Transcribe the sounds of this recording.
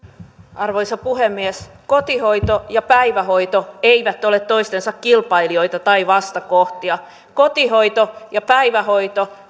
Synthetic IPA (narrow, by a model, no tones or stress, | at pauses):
ɑrʋoisɑpuhemːieskot̪ihoit̪ojɑpæiʋæhoit̪oeiʋæt̪ːolet̪t̪ːoist̪ensɑkkilpɑilio̞it̪ɑt̪ɑiʋɑst̪ɑkoht̪iɑ | kot̪ihoit̪ojɑpæiʋæhoit̪o